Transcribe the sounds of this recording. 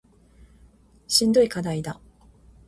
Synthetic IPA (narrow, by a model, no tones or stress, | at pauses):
ɕĩnd̪o̞ikad̪aid̪a